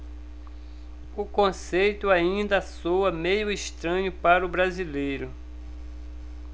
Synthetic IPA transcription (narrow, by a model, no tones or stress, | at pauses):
ʊkõsejt̪ʊaĩnd̪ɐasowɐmejʊɪʃt̪ɾɐ̃ɲʊpaɾʊbɾazilejɾʊ